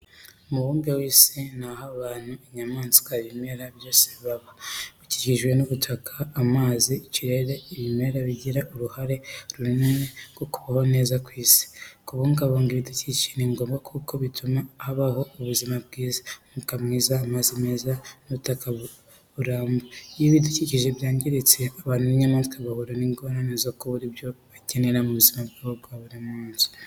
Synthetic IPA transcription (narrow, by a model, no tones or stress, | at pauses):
muβuːmbewiːsinahaβaːn̥huiɲamaːnzi̥kwaβime̞ɾaβjo̞ːseβiβaβaβiciɟiʒwe̞nuβutʰakʰaːmaːziːciɾe̞ɾe̞iβime̞ɾaβiɟiɾaʔuɾuhaɾe̞ɾunineneɡokuβaho̞ne̞ːzakwiːsi̥kuβuːŋɡaβoːŋɡiɾidicici̥niŋɡo̞ːmbakʰuːko̞βitʰumahaβaho̞uβuzimab̚ɡiːzamukamŋiːzaːmazimeːzanuβutakaβu | βuɾaːmbojiβiduciciʒe̞bjaːɲɟiɾit͡se̞aβaːnhuβiɲamaːnzikaβahuɾoniŋɡoɾanezokuβuɾibjo̞βace̞ne̞ɾamuβuzimabɡaβobɡwaβuɾimuːnzi̥